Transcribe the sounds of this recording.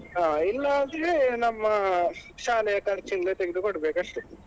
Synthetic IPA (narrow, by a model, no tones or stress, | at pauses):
ɦaːilːɐːnd̪enɐmːɐʃaːlɛjɐkaɾt͡ʃiŋɡɐleːt̪eɡid̪ukoɽbeːkɐʂʈu